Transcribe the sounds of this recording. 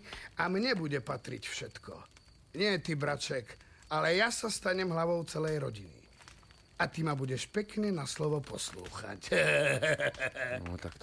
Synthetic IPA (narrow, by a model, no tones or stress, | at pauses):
amɲɛbuɟɛpat̪ɾḭcfʃɛt̪kɔ̰ | ɲɪɛt̪ibɾat͡ʃɛk | alɛjasast̪aɲɛmɦlaʋɔʊt͡sɛlɛjɾɔɟinḭ | at̪imabuɟɛʃpɛkɲɛnaslɔʋɔpɔslṵːxa̰c | t̪ak